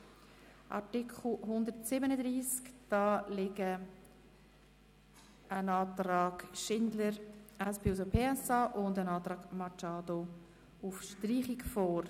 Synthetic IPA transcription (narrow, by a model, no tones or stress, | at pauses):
ʔɑ̰tɪkʰχl̩ɦʊndəɾtsɪbənədɾiːskd̥ɑːlɪɡə | ənɑːtɾɑːɡ̥ʃɪndləɾɛspeːusopʰeːɛsɑːʔʊndənɑːt̪ɾɑːɡmɑt͡ʃaːdo | ufʃtriːχɪkfɔːɾ